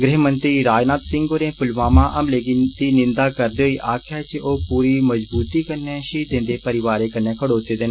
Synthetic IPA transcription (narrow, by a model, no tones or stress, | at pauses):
ɡɾɛɦmənt̪ɾiːɾaːd͡ʒnaːt̪sɪ̃ŋɡoːɾẽːpʊlʋaːmãːʔəmleːɡit̪iːnɪ̃nd̪aːkəɾd̪eːɦoiːʔaːkʰjaːt͡ʃʔoːpuːɾiːməzbuːt̪iːkəɾnɛːʃiːd̪ẽːnd̪eːpəɾɪʋaːɾeːkəɾnɛ̃ːkʰəɽoːt̪eːd̪en